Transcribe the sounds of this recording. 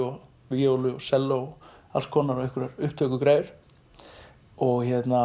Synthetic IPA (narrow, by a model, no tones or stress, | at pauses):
ɔ | vɪjowlʏɔsɛlːoɔa̰lskʰɔːnaɾɔɛhkvʏɾaɾʏhpt̪ʰœkʏkɾaːjɪɾ̥ | ɔɣçɛt̪na